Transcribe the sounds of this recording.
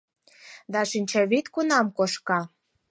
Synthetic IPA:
d̪ɑʃinʲt͡ɕɑβit̪kunɑmkoʃkɑ

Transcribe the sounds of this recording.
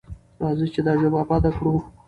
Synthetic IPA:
ɾɑzut͡ʃed̪ɑʐəmɑpɑd̪akɽu

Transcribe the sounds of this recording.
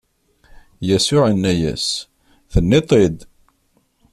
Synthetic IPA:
jæsʊʕənːæjæ̰s | θənːet̪ˤed̪

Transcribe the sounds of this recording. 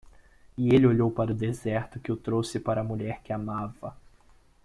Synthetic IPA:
ɪelɪoʎowpaɾʊd̪ezɛɾt̪ʊkɪʊt̪ɾowsɪpaɾɐmuʎɛɾkɪamavɐ

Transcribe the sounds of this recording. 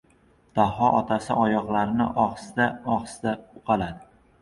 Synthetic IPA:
d̪̥ahɒʔɒt̪ʰasɪʔɒjɒqlˠaɾɪnɪ̰ʔɒχsɪd̪aɒχsɪd̪aʊqʰɑlad̪ɪ

